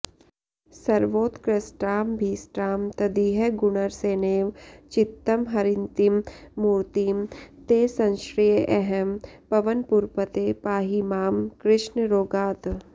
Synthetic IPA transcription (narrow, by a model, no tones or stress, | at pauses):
sɐɾʋoːt̪kɾesʈɾaːmbʱiːsʈɾaːmt̪ɐd̪iɦɛɡʊnəɾseːneːʋt͡ʃɪt̪ːəmɦɐɾɪnt̪imːuːɾt̪iːmt̪eːsɐ̃nʃɾijəʔɛɦɛmpɐʋənpuɾpət̪eːpaːɦimaːmkɾɪʃnɾoːɡaːt̪